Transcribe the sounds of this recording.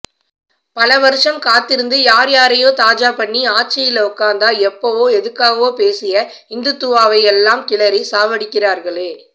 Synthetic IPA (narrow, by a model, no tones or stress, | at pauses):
pɐlɐʋɐɾɯʂɐmkaːt̪ːɪɾɯnd̪ɯjaːɾjaːɾɐjoːt̪aːd͡ʒaːpɐɳːiaːʈ̚t͡ʃɐjɪlɐʊkːaːnd̪aːɛpːɐʋoːɛðɯkːaːɣɐʋoːpeːsɪjɐ | ɪnd̪ɯt̪ːʊʋaːʋɐɪɛlːaːmkɪɭɐɾisaːʋɐɽɪkːɪraːɾɣɐɭeː